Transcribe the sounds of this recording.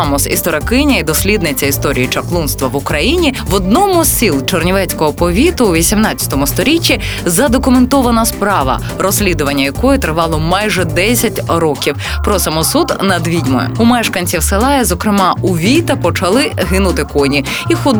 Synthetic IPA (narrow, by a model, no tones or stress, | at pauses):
ɑmɔsḭst̪ɔɾɐkɪnʲɐid̪ɔsʲlʲid̪nɪt͡sʲɐist̪ɔɾʲḭjit͡ʃɐklˠunst̪ʋɐʋʊkɾɐjinʲiʋɔd̪nɔmʊsʲilˠt͡ʃɔrnʲiʋɛt͡sʲkɔɦɔpɔʋʲit̪ʊːʋʲisʲimnɑt͡sʲːɐ̥t̪ɔmʊst̪ɔɾʲit͡ʃʲːi | zɐd̪ɔkʊment̪ɔʋɐnɐspɾɑʋɐ̰ | ɾɔsʲlʲid̪ʊʋɐnʲːɐjɐkɔjʊt̪ɾɪʋɑlˠɔmɑjʒɛd̪ɛsʲɐtʲɾɔkʲiw | pɾɔsɐmɔsud̪nɐd̪ʋʲidʲmɔ̰jʊ̰umɛʃkɐnʲt͡sʲiwselˠɑjɛzɔkɾɪmɑuʋʲit̪ɐpɔt͡ʃɐlˠɪɦɪnʊt̪ɪkɔnʲi | ixɔd̪